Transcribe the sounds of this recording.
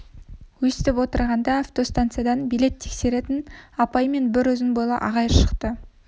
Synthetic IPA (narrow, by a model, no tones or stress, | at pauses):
wɵsɪt̪ɪpwo̞t̪əɾʁɑnd̪ɑːft̪o̞st̪ant̪sɨjad̪ɑnbijle̞t̪ʰːe̞kse̞ɾe̞t̪ɪnɑpɑjme̞nbɪɾwɵzɪnbojlˠɑ̰ʔɑ̰ʁɑjəʃə̥qt̪ə